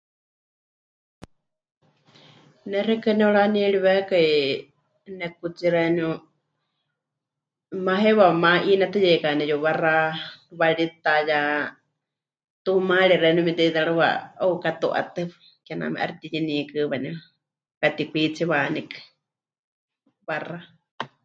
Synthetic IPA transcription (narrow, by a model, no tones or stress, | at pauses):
nɛrɛkɨnɛoɺaniɛɺiβɛkai | nɛkut͡siɾɛniu | maɦɛwamaʔinat̪ɨjɛkanɛjoβaraβaɺit̪aja | t̪umaɺiɾɛnumid̪ɛd̪aɺɨwa̰oukat̪uʔa̰t̪ɨ | kɛna̰mɛ̰ʔa̰ɾit̪iɲinikɨβanɛ | kat̪ipit͡sʰiβaːnikɨ̥ | βara